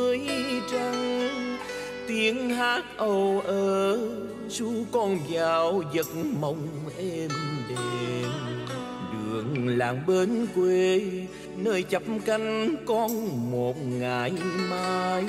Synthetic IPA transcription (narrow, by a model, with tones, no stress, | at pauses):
əjt͡ɕa˧ŋ | t̪i˧˩ənhaː˦˥t̚ʔə˧˩wʔəː˨˩ | su˧˦əŋkɔ˧nzaː˨˩wzə˨˦t̚mə˨˩wŋ͡mʔɛ˧mɗe˨˩ | ɗɨ˨˩əŋlaː˨˩mɓe˧˦nkwe˧ | nəː˧jt͡ɕə˨˩p̚mka˧jŋ̟kɔ˧nmo˨˩t̚ŋaː˨˩jmaː˧j